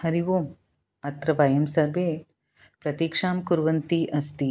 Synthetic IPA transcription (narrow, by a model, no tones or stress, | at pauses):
hɐɾiʋoːm | ɐt̪ɾɐʋɐjɐmsɐɾʋe | pɾɐt̪ikʂaːmkuɾʋɐnt̪iʔɐst̪i